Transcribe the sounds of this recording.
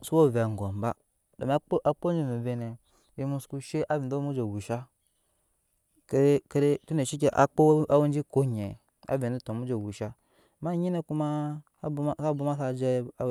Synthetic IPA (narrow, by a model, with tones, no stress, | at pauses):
su˦wo˦˨ve˨ŋ˨ɡo˨m˨ba˦ | do̰˨m˨a˦ʔa˨k͡po˦nd͡ʒi˦mi˨ve˨ne˨ | je˦mu˦sku˦ʃe˦ʔa˦vi˨n˨do˦mu˦d͡ʒe˨wu˨ʃa˦ | ke˦ɾe˦ke˦ɾe˦tu˦ne˨ʃi˦k̬ʲe˨ʔa̰˨k͡po˦a˦wu˦n˦d͡ʒi˦ko˦ɲe˨ | a̰˨˦ve˨ni˦to˨mu˦d͡ʒe˨wu˨ʃa˦˨ | ma˦ɲi˦ne˦ku˦ma˦ | bsa˦bu˦ma˦sa˦d͡ʒe˦˨